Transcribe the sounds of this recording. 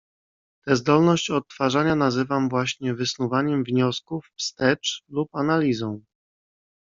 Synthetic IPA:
t̪ɛzd̪ɔlnɔɕt͡ɕɔt̪ːfaʐaɲanazɘvamvwaɕɲɛvɘsnuvaɲɛmvɲɔskufːst̪ɛt͡ʂlupanalʲizɔ̃w̃

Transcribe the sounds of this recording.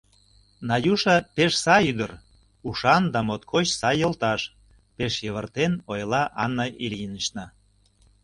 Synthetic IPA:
nɑjuʃɑpeʃsɑjyd̪ər | uʃɑnd̪ɑmot̪kʰot͡ɕsɑjəlt̪ɑʃ | peʃjəβərt̪enojlɑʔɑnːɑʔiliənəʃnɑ

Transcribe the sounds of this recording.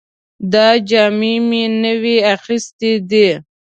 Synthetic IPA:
d̪ɑd͡ʒɑmemenəweaxist̪ed̪e

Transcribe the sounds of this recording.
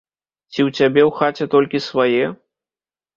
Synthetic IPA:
t͡sʲiwt͡sʲabʲɛwxat͡sʲɛt̪ɔlʲkʲisvajɛ

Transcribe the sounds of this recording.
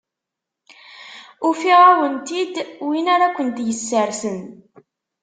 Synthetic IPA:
ʊfiʁawənt̪id̪winaɾakʷːənt̪jəsːəɾsən

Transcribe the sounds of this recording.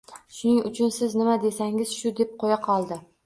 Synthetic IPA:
ʃʊnɪŋʊt͡ʃʰʊnsɪznɪmad̪e̞saŋɪz̥ʃʊd̪e̞p̚qʰojaqʰɒlˠd̪ɪ

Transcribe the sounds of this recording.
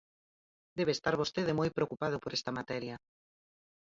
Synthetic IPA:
d̪eβ̞eːst̪aɾβ̞ost̪eðemojpɾeokupað̞ʊpoɾɛst̪ɐmat̪ɛɾjɐ

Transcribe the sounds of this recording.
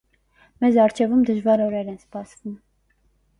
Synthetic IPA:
mɛzɑɾt͡ʃʰɛvumd̪əʒvɑɾɔɾɛɾɛnspɑsvum

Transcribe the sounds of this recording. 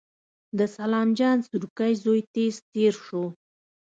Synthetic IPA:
d̪əsalɑmd͡ʒɑnsuɾkajzojt̪ezt̪eɾʂo

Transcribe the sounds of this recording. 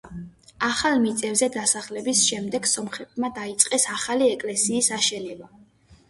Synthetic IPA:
aχalˠmit̪sʼɛvzɛd̪asaχlɛbisʃɛmd̪ɛɡsɔmχɛt̪̚ʰʼmad̪ait̪sʼqʼɛsaχaliɛkʼlɛsiːsaʃɛnɛba

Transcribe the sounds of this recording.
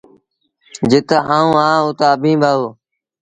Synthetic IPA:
d͡ʒɪt̪aãːũːãːʊt̪aːəbʱĩːbʱaːoː

